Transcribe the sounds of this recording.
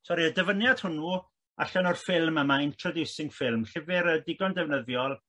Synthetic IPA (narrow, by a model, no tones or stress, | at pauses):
sɔɾiədəvənjad̥hʊnu | a̰ɬanɔrfɪlˠməmaɪntʰrɔdusɪŋfɪlˠmɬɪvɪɾədɪɡɔndɛvnəðjɔlˠ